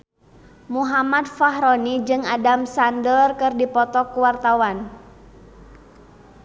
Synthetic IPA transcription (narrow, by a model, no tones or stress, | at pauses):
muɦamat̪̚faɦɾɔnid͡ʒɨŋadamsandərkɨrdipɔt̪ɔkuwart̪awan